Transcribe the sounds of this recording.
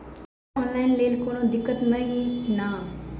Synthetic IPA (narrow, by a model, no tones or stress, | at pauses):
ɔ̃nlaːɪnleːlkoːnõːd̪ɪkːət̪nəɦĩna